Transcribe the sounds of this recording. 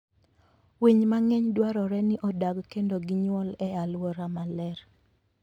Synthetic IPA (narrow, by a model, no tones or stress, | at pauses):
wiɲmaŋɛɲdwaɾɔɾɛnɪʔɔdaɡkendoɡɪɲwɔlɛalwɔɾamalɛr